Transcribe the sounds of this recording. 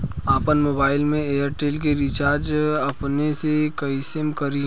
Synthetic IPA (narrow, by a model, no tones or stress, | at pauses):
aːpənmoːbaːɪlmẽeːəɾʈeːlk̬eɾit͡ʃaːɾd͡ʒɐpnesekɐisemkɐɾi